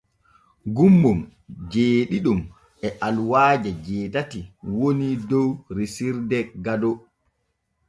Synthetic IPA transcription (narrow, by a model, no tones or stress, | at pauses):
ɡumːum | d͡ʒeːɗiɗum | ɛʔalwaːd͡ʒɛd͡ʒɛːtatiwonidɔwɾisiɾdɛɡadɔ